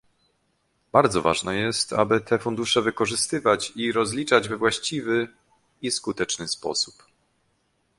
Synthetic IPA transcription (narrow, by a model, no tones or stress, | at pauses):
b̥aɾd̪zɔva̰ʐnɛjɛst̪a̰bɘt̪ʰɛfund̪uʂɛvɘkɔʐɘst̪ɘvat͡ɕiɾɔzlʲit͡ʂad͡ʑvɛvwaɕt͡ɕivɘ | iskut̪ɛt͡ʂnɘspɔ̰su̥p